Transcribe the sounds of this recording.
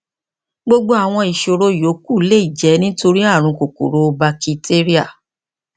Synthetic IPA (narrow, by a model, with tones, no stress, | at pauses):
ɡ͡bo˧ɡ͡bo˦a˨w̃ɔ̃˧i˨ʃo˧ɾo˧˨jo˨˦ku˦˨le˦i˦˨d͡ʒɛ˨˦nĩ˦to˧ɾi˦a˦˨ɾ̃ũ˧ko˨ko̰˨ɾo˨ba˧ki˧tʰe˦ɾi˦a˦˨